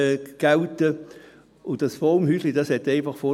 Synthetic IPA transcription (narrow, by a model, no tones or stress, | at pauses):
ɡ̥awtə | ʊntdɑsfɔmhyslid̥ɑshɛtɛɪnfɑχfo